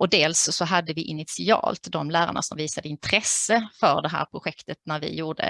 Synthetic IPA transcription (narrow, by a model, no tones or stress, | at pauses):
ɔd̪eːlssɔɦad̪ːəvɪʔɪnɪt̪sɪɑ̰ːlt̪d̪ɔmlæːɾa̰ɳa̰sɔmviːsad̪əɪnt̪ʰɾɛsːəfœɾɖɛɦæ̰ːɾpʰɾʊɧɛkt̪ət̪næɾvɪ̰juːɖə̰